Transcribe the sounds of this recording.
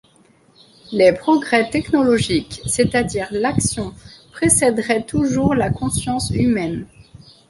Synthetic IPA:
lɛpχɔɡʁɛt̪ɛknɔlɔʒikset̪ad̪iʁlaksjɔ̃pχesɛd̪ʁɛt̪uʒuʁlakɔ̃sjɑ̃symɛn

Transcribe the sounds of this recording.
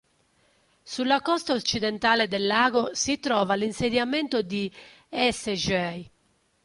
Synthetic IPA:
sulakɔst̪aot͡ʃːid̪ɛnt̪aːlɛd̪ɛlːaːɣosit̪ɾɔːvalinsed̪jamɛnt̪od̪i | ɛsɛʒɛj

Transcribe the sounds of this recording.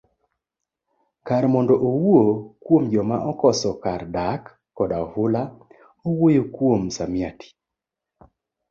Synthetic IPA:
kaɾmɔndɔʔowuokwomd͡ʒɔma̰ʔɔkɔsɔkardakː | ɔdaɔhʊla | owojokwomsamɪati̥

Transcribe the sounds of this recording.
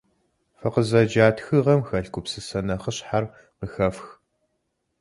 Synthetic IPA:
fɨqəzɐd͡ʒaːtʰxɨʁɐmxɐɬkʷʊpsɨsɐnɐχəɕħar | qəxɐfx

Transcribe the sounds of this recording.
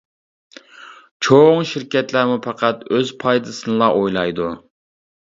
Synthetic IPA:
t͡ʃʰoŋʃiɾkʲɛt̪læɾmupʰɑqæt̪øzpʰɑjd̪ɨsɨnɨlˠɑʔojlˠɑjd̪u

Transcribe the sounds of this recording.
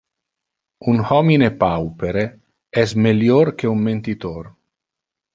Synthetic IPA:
unhɔminepawpeɾe | ɛsmeljorkeumment̪it̪or

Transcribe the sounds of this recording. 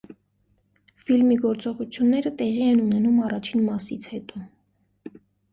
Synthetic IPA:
filmiɡɔɾt͡sɔʁut͡sʰjunːɛɾət̪ɛʁiɛnunɛnumɑrɑt͡ʃʰinmɑsit͡sʰhɛt̪ʼɔ

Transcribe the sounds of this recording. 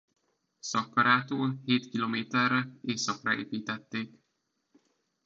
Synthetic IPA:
sɒkːɒɾaːt̪uːlheːt̪kilomeːt̪ɛrːɛeːsɒkrɒʔḛːpiːt̪ɛt̪ːeːk

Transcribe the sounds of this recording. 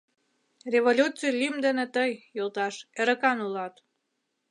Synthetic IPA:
rʲevolʲut͡sijlʲimd̪enĕt̪əjjolˠt̪ɑʃeɾə̆kɑnulɑt̪

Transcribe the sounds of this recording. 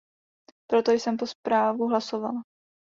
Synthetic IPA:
pɾo̞t̪o̞jsɛmpo̞spɾaːvuɦlaso̞va̰la

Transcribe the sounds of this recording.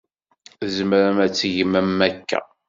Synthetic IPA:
zəmɾæmæt͡sːjəmæmːækːæ̰

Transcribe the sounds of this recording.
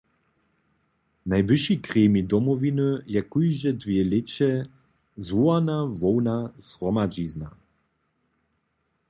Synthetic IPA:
najvɨʃikʁeːmid̪ɔmɔvinəjɛkujʒɛd̪vjɛlet͡ɕɛ | zvuanavɔwnaz̥rɔmad͡ʒizna̰

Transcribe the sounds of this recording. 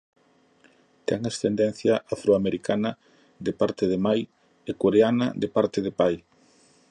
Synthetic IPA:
t̪ɛŋast̪end̪ɛnθjɐʔafɾoameɾikanɐ | ðepaɾt̪eð̞emaj | ekoɾeanɐ̰d̪epaɾt̪ɪðepaj

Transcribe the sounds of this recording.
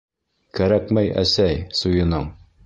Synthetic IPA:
kæɾækmæjæ̰sæjsujɤ̆nɤɴ

